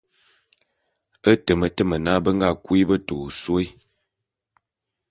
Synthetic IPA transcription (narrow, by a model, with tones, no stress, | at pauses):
ə˦tə˨mə˨tə˦mə˨na˦bə˦ŋ˦ɡa˦˨kwi˦bə˦to˨swo˦